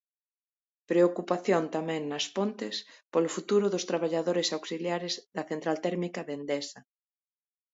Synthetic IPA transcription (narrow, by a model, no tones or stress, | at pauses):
pɾeokupaθjont̪amɛ̃ŋnɐspont̪ɪspolʊfut̪uɾʊðʊst̪ɾaβ̞aʎaðoɾɪsawksiljaɾɪzðɐθẽnt̪ɾalt̪ɛɾmikɐβend̪ɛsɐ